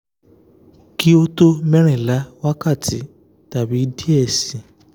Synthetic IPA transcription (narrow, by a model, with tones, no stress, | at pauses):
ki˦o˦to˦mɛ̃˦ɾ̃ĩ˨la˨˦wa˦ka˦˨tʰi˨˦ | ta˨bi˨˦di˦ɛ˦˨sĩ˨